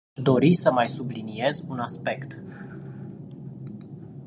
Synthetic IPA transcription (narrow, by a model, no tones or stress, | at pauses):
d̪o̞ɾisəmajsublinie̞zunaspe̞kt̪